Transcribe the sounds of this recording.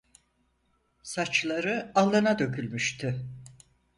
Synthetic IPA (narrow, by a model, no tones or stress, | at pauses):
sat͡ʃlˠaɾɯalˠːanad̪ø̞kʰylʲmyʃt̪ʰy